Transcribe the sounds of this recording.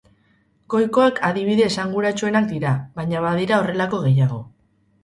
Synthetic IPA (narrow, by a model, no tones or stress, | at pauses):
ko̞jko̞ekʰaðiβ̞iðe̞ːsaŋɡuɾat͡ʃue̞nak̚d̪iɾaβajɲaβaðiɾao̞re̞lako̞ɣe̞jaɣo̞